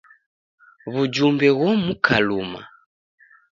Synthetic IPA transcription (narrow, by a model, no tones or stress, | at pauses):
βud͡ʒumbɛɣwɔmukʰaluma̰